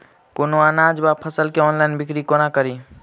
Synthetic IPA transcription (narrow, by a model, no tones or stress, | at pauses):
konoanad͡ʒbapʰəsəlkeɔnlainbikɾikonakəɾi